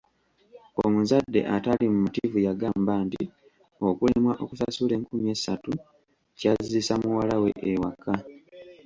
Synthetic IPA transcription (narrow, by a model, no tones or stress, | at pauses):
omuzadːe̞̰ʔatalimumutivujaɡaːmbaːntḭ | o̞kulemwaʔo̞ku̥sasule̞ːŋkumie̞ːsatu | cazizisamuwalawe̞̰ʔewaka